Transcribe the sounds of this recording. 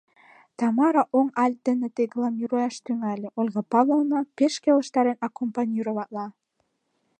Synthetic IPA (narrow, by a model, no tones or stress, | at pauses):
t̪ɑmɑɾɑʔoŋɑl̚ʲd̪ə̆nĕt̪eɡlɑmʲiɾojɑʃt̪yŋælʲĕʔolʲɣɑpɑlɤlnɑpeʃkelə̆ʃt̪ɑɾenɑkompɑnʲiɾoβɑt̪lɑ